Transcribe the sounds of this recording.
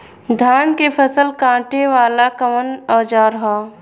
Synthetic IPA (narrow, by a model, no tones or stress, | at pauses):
d̪ʱaːnkepʰəsəlkãːʈeʋaːlakəmənɔːd͡ʒaːɾɐɦaː